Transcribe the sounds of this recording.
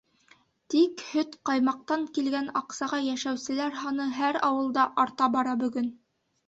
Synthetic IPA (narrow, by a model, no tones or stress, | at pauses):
t̪ikhɵt̪qɑjmɑq̚t̪ɑŋkilɡænɑqsɑʁɑjæʃæwsɘ̆læɾɦɑnɤɦæɾɑwɤ̆lˠd̪ɑʔɑɾt̪ɑbɑɾɑbɵ̆ɡɵn